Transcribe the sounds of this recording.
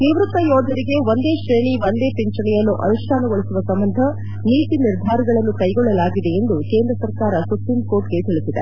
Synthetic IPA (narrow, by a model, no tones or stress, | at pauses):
niʋɾut̪ːɐjɔːd̪ʱɐɾiɡe̞ʋond̪e̞ːʃɾeːɳiʋond̪e̞ːpiɲt͡ʃɐɳɛjɐnːuʔɐ̰nuʂʈʰaːnɐɡoɭisuʋɐsɐmbɐnd̪ʱɐ | niːt̪iniɾd̪ʱaːɾɐɡɐɭɐnːukɐjɡɔɭːɐlaːɡid̪e̞end̪uke̞ːnd̪ɾɐsɐɾkaːɾɐsupɾimkoːʈɡe̞t̪iɭisid̪e